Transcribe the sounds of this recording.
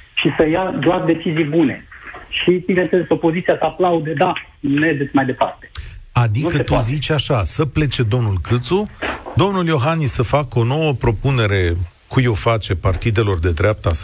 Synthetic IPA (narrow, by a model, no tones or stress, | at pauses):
ʃisəjad̪oard̪e̞t͡ʃizijbune̞ʃibinenseleso̞po̞zit̪siasəaplaud̪ed̪a | led̪et̪sʲmajd̪e̞pa̰rt̪e̥ad̪inkəet̪uzit͡ʃʲaʃasəple̞t͡ʃe̞d̪o̞mnulkɨt̪sud̪o̞mnuljo̞ɦanːisəfako̞no̞wəpɾo̞pune̞ɾe̞ | kujo̞wfat͡ʃe̞part̪id̪e̞lo̞rd̪e̞d̪ɾeap̚t̪əa